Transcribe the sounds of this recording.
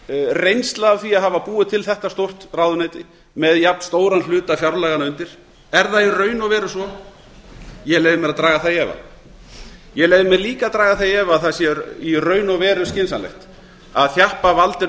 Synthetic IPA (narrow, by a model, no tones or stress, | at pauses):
rejnst̪laːvθiːaɦavapuːɪt̪ʰɪlθɛht̪ast̪owr̥t̪rawðʏnɛjt̪ɪ | mɛðjap̚n̥st̪oːwɾanl̥ʏːt̪afjawɾlɛɣanʏnt̪ɪɾ̥ | ɛɾðairœːɥnɔvɛːɾʏsɔ | jɛɣleːjvɪmɛɾaðt̪ɾaːɣaθajɛːva̰ | jɛɣlejðɪmɛɾliːkat̪ɾaːɣaθajɛːvaðθaðsjɛirœːɥnɔvɛːɾʏscɪnsanlɛ̰xt̪ | aðθjahpavalt̪ɪ